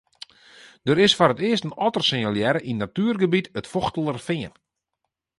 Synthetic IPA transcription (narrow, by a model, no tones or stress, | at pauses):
d̥əɾɪsfɔɾətɪəstənɔtərsɪŋəljɛɾəʔinːatyːərɡəbitətfoxtəlˠərfɪən